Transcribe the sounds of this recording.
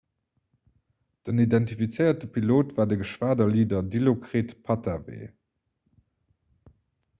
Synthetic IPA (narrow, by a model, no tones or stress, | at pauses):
d̥ənidɛntifit͡səɪɐtəpʰiloːtvaːdəɡəʃv̥aːdɐliːdɐdilokʁeːtpʰɑtʰavḛː